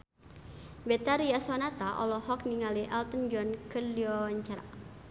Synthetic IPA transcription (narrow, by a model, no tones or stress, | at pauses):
bɛt̪aɾiasɔnat̪aʔɔ̰lɔhɔkniŋaliʔɛlt̪ənd͡ʒɔnkəliɔɲt͡ʃaɾa